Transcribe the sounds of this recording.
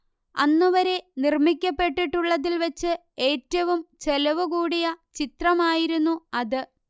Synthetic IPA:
ɐnːuʋɐɾe̞nirmikʲːɐpːe̞ʈːiʈːuɭːɐðilʋɐt͡ɕːɨ | e̞ːtːɐʋumt͡ɕelɐʋuɣuːɽijɐt͡ɕit̪rɐmaːjiɾunːuɐðɨ

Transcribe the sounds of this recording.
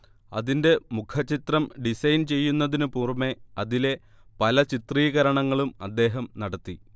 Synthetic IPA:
ɐ̰ðinde̞mukʰɐt͡ɕːit̪rɐmɖisɐjnt͡ɕe̞jːunːɐðinɨpuːrme̞ɐðile̞ | pɐlɐt͡ɕit̪riːɣɐɾɐɳɐŋːɐɭumɐd̪ːe̞ːɦɐmnɐɽɐt̪ːi

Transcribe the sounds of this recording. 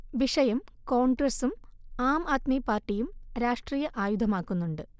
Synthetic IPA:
ʋiʂɐjɐmko̞ːɳɖrɐsumaːmaːt̪miːpaːrʈːijumɾaːʂʈriːjɐʔaːjud̪ʱɐmaːkːunːuɳɖɨ

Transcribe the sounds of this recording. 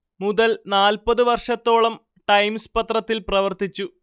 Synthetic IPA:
muðɐlnaːlpɐðɨʋɐrʂɐt̪ːo̞ːɭɐm | ʈɐjmspɐt̪rɐt̪ːilprɐʋɐrt̪it͡ɕːu

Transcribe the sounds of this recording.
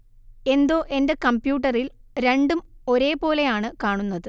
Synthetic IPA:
e̞nd̪o̞ːʔe̞nde̞kɐmbjuːʈ̬ːɐrilɾe̞ɳɖumo̞ɾe̞ːpo̞ːle̞jaːɳɨkaːɳunːɐðɨ

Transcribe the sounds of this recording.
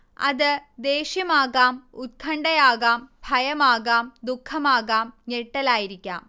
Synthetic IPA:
ɐ̰ðɨd̪eːʂjɐmaːɣaːmut̪̚kʰɐɳɖɐjaːɣaːmbʱɐjɐmaːɣaːmd̪ukʰːɐmaːɣaːmneʈːɐlaːjiɾikʲːa̰ːm

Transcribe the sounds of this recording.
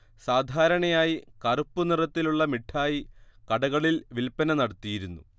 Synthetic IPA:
saːd̪ʱaːɾɐɳɐjaːjikɐrupːunirɐt̪ːiluɭːɐmiʈʰːaːjikɐɽɐɣɐɭilʋilpːɐnɐnɐɽɐt̪ːijiɾunːṵ

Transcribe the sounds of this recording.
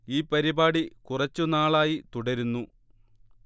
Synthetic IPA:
iːpɐɾibaːɽikurɐt͡ɕːunaːɭaːjit̪uɽɐɾunːu

